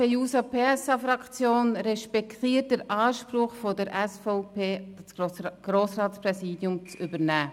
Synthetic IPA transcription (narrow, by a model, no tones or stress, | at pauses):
ejuːsɑpʰeːɛsɑfɾɑkt͡sjoːnɾɛʃpɛkt̪iːət̚dəɾɑːʃpɾʊχfodəɾʔɛsfɔpʰeːsɡ̥ɾoːsrɑːtsprɛsiːdjʊmt͡sʏbəɾnæː